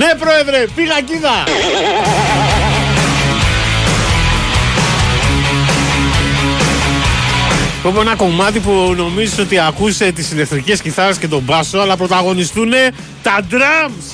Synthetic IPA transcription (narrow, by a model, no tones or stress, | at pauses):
ne̞pɾo̞e̞ðɾe̞piɣɐciðɐ | popoe̞nɐko̞mɐt̪ipuno̞miziso̞t̪iɐkuse̞t̪isileθɾice̞sciθɐɾesce̞t̪o̞bɐsoɐlɐpɾo̞t̪ɐɣo̞nist̪une̞ | t̪ɐd̪ɾɐms